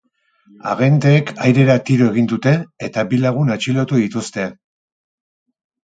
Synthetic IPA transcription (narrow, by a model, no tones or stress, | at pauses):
a̰ɣe̞nd̪eːkajɾe̞ɾat̪iɾoe̞ɣ̞ind̪ut̪e̞ːt̪abilaɣ̞unat͡ʃilot̪uðit̪ust̪e̞